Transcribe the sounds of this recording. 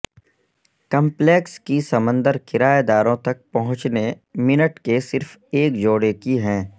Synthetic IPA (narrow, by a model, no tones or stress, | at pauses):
kɐ̃mpleːkskisɐmə̃nd̪əɾkɪɾaːed̪aːɾõt̪ɐk̚pɐɦʊ̃t͡ʃne | mɪnəʈkesɪɾfeːkd͡ʒoːɽekiɦɛ̃ː